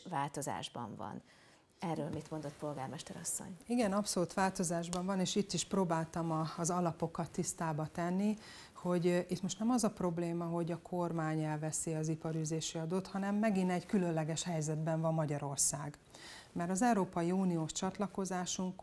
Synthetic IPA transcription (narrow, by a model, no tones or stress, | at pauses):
vaːlt̪o̞za̰ːʒbɒ̰ɱvɒ̰n | ɛrːøːlmit̪mo̞nd̪ot̪po̞lɡaːrmɛʃt̪ɛɾɒsːo̰ɲiɡɛnɒpso̞luːt̪ʋaːlt̪o̞zaːʒbɒɱvɒneːʃit̪ːiʃproːbaːlt̪ɒmɒːzɒlɒpo̞kɒt̪ːist̪aːbɒt̪ɛnːi | ho̞ɟit̪mo̞ʃt̪nɛmɒzɒpro̞bleːmɒɦo̞ɟɒkʰo̞rmaːɲɛlvɛsiɒzipɒɾyːzeːʃiɒd̪oːt̪hɒnɛmːɛɡinɛɟkylø̞nlɛɡɛʃhɛjzɛd̪bɛɱvɒmːɒɟɒɾo̞rsaːɡ | mɛɾɒzɛwɾoːpɒjiuːnijoːʃt͡ʃɒt̪lɒko̞zaːʃuŋk